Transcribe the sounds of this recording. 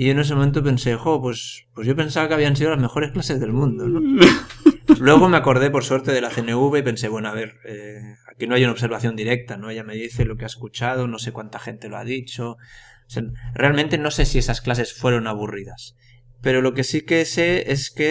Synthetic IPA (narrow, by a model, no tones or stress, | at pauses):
ioenes̬emoment̪̬ope̞nsexopwe̞s | pwezʝope̞nsaβakaβiansiðolazmexo̞ɾe̞sklase̞zðe̞lmũnd̪ono | lwe̞ɣ̞omeako̞ɾð̞e̞po̞ɾsweɾt̪e̞ðelaθeneuβeipe̞nseβwenoaβeɾeakino̞ajunaoβs̬eɾβ̞aθjo̞nd̪iɾek̚t̪anoeʎame̞ðiθelo̞keaeskut͡ʃað̞ono̞sekwant̪axe̞nt̪e̞loa̰ðit͡ʃo | serealmẽnt̪eno̞sesiesasklas̬e̞sfwe̞ɾo̞naβ̞uriðas | pe̞ɾo̞lo̞ke̞sikeseeske